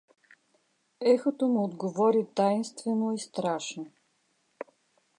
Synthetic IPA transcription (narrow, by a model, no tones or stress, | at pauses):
ɛxot̪omiod̪ɡovɔɾit̪ajnst̪vɛnoist̪ɾaʃno